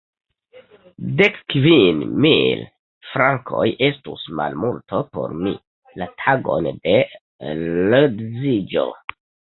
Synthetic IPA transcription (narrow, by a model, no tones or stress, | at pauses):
de̞kkvinmil | fɾaŋkʰo̞̰jʔe̞stusma̰lmultopo̞̰ɾmḭ | latʰaɡo̞̰nde̞ | lodzid͡ʒo̞̰